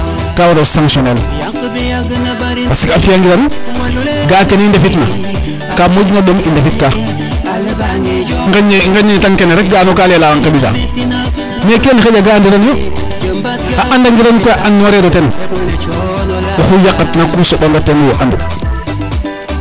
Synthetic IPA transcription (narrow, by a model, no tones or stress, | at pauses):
kawoɾosaŋkʃonel | pasikafijaŋɡiɾan | ɡaːkenindefitna̰ | kamod͡ʒnaɗomindefitka | ŋɡŋɡaɲetaŋkeneɾek̚ɡaːnokalelaaŋkabita̰ | meːkenixed͡ʒaɡandiɾanjo | aʔandaŋɡiɾankojaʔanːwaɾeɾoten | oxujakːatnakusoɓandatenwoʔandṵ